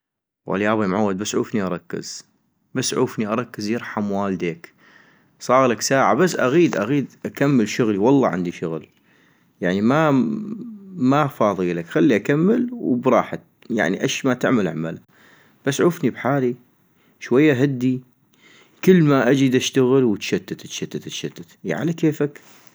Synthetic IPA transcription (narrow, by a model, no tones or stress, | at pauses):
wa̰ljaːbimʕawːad̪̚basːʕṵːfniʔɑɾˤɑkːɪ̰z̥ | basːʕuːfniʔɑɾˤɑkːəzjɨɾˤħamwaːld̪eːk | sˤɑːɣlaksaːʕa̰basːʔaɣiːd̪ʔaɣiːd̪ʔakamːəlʃʊɣliwɑlˤːɑ̰ʕɪ̰nd̪iʃʊɣl | jaʕnima | mafɑːðˤilakxalːiʔakamːəlwbɾˤɑ̰ːħat̪ | ja̰ʕniʔaʃmat̪ɪʕmalʕamala | b̥asːʕuːfnibħaːli | ʃwajːaɦad̪ːi | kəlːmaʔad͡ʒid̪aʃt̪aɣəlwət̪ʃat̪ːat̪t̪ʃat̪ːat̪t̪ʃat̪ːat̪ʕa̰lakeːfak